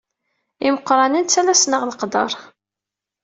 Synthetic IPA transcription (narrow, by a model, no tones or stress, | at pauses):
iməqːɾˤɑnint͡sːælæsnəʁləqd̪ɑ̰ɾˤ